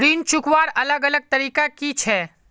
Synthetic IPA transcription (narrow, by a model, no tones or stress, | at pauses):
ɾiːnt͡ʃukʋaːɾələɡələɡ̚t̪əɾiːkakit͡ʃʰɛ